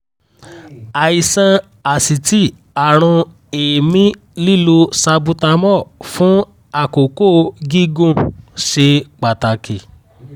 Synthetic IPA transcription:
a˨i˨sã˧ | a˨si˨ti˦ | a˨ɾ̃ũ˧ | eː˨mĩ˦ | li˦˨lo˧sa˧bu˧ta˧mɔ˦˨fũ˨˦ | a˦˨ko˨ko˦ɡi˦ɡũ˦˨ʃe˧k͡pa˨ta˨ki˨

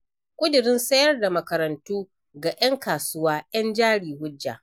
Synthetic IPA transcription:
kʷʼʊ˦dʊ˨ɾɪ˦nsɐ˦jɐ˦rda˨mɐ˨kɐ˨ɾɐ˨ntuː˦ | ɡa˨jɐ˦ŋkaː˨sʊ˦waː˦j̰ɐ˦nd͡ʒaː˦ɽiː˨hʊ˦d͡ʒːa̰˨

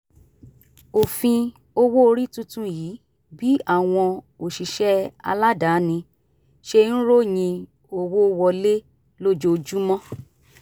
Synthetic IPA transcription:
o˨fĩ˧ | o˧wo˦o˧ɾi˦tũ˦tũ˦jiː˨˦ | bi˨˦a˦˨w̃ɔ̃˧ | o˨ʃi˨ʃɛ˦a̰˧la˦da˨˦nĩ˧ | ʃe˦˧˦nũ˦ɾo˦˨j̃ĩ˧ | o˧wo˦wɔ˧le˦ | lo˦d͡ʒo˧d͡ʒu˦mɔ̃˦

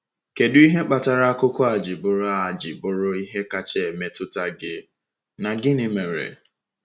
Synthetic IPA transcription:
ke˨dʊ˦i˦ɦe˦k͡pa˨ta˨ɾa˦a˦kʊ˦kɔ˦a˨d͡ʒɪ˨bʊ˨ɾʊ˦a˨d͡ʒɪ˨bʊ˨ɾʊ˦i˦ɦe˦ka˦t͡ʃe˦e˨me˦tʊ˦ta˦ɡɪ˦ | na˨ɡɪ˦nɪ˨me˨ɾḛ˨

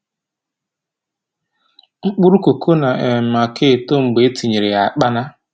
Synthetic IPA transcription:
ŋ͡m̩˦k͡pʊ˦ɾu˦ko˨kʰo˦na˨e˨ma˨ke˦˨to˦ŋ͡m̩˨ɡ͡be˨˦ti˨ɲi˨ɾɪ˨a˨k͡pa˦na˦

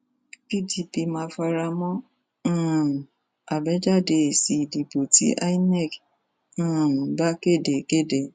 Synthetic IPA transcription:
pi˦ti˧pi˧mã˧˦fa˧ɾa˧mɔ̃˦˨ | a˨bɛ˦d͡ʒa˦˨de˧˨si˨di˨bo˨tḭ˨˦ʔa̰˦i˦nɛ˦˨k̩ː˦˨ | ba˦ke˦˨de˨ke˦˨de˦˨

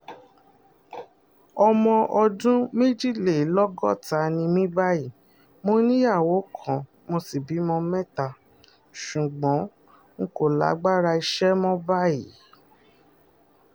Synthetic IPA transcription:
ɔ˧mɔ̃˧ʔɔ˧dũ˦me˦d͡ʒi˦le˨˦lɔ˦ɡɔ˦˨ta˧˨nĩ˧mĩ˦ba˦ji˦˨ | mo˧nĩ˦a˦˨wo˨˦kʰɔ̃˨ | mo˧si˨bi˨˦mɔ̃˧mɛ̃˦ta˧˨ | ʃu˨ɡ͡bɔ̃˨˦ | ŋ̩˦ko˦˨la̰˨˦ɡ͡ba˦ɾa˧i˧ʃɛ˦mɔ̃˦ba˦ji˨˦

